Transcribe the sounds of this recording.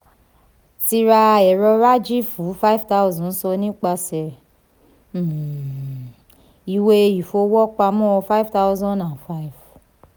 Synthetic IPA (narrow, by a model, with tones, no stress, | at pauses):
ti˧ɾa˧ɛ˨ɾɔ˧ɾa˦d͡ʒi˦fu˨˦fa˦i˨˦˨vta˦u˧zɔ̃˨˦n̩˦sɔ˧nĩ˦k͡pa˧sɛ˨˦˨ | i˧˨we˧i˨fo˧wɔ˦k͡pa˧mɔ̃˦ɔ˧fa˦˨˦vta˦u˧zɔ̃˦ndã˨nfa˦i˨v